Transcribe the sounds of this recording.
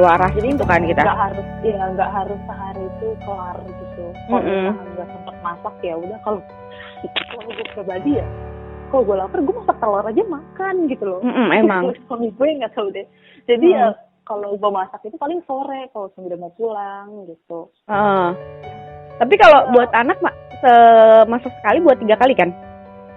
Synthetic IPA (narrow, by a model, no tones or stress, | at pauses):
loaɾahd͡ʒadint̪ukankit̪aɡaʔɦaɾʊsjaŋɡaʔɦaɾʊsːəɦaɾiːt̪ukəlarɡit̪uaɡasəmpət̪̚masakjabudahkalo | laloɡaprbadijakaloɡualapərɡuamasak̚t̪ərlaɾad͡ʒamakanɡit̪ulɔm̩ʔm̩emaŋkamipuɛŋɡat̪audɛ | d͡ʒadia | kaloɡamasakit̪ipalɪŋsoɾɛkalosəmbidamasulaŋɡit̪u | əʔə | t̪ap̬ikalobuat̪anak̚masəmasaksə̥kalibuat̪ːiɡakalikan